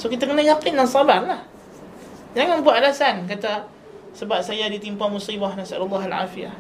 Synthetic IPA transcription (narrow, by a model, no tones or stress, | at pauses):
sokit̪akənajakɪndansɑbarlah | d͡ʒaŋaŋbuaʔʔalasank̬at̪a | səbap̚sajadit̪impamusibahnasa̰lulːɑɦalʕa̰ːfia̰h